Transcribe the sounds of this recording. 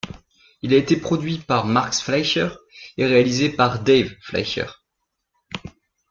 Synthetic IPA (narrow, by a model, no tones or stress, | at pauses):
ilaet̪epχɔd̪ɥipaʁmaʁksflajʃœʁeʁealizepaʁd̪evfla̰jʃœ̰ʁ